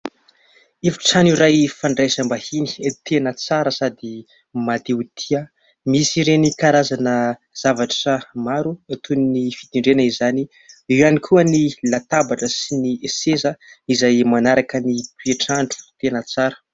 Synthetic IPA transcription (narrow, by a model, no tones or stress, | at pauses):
efi̥ʈ͡ʂaniɾajfaɳɖ͡ʐajsambahini̥t̪ʰenət͡saɾəsad̪i | mad̪ewt̪ʰiə | misiɾenikaɾazanə | z̥avaʈ͡ʂəmaɾuat̪ʰuninifid̪iɳɖ͡ʐenəizani | iwanikʰuənilat̪abaʈ͡ʂəsiniesezəizajmanaɾakənipweʈ͡ʂaɳɖ͡ʐu̥t̪enət͡saɾə̥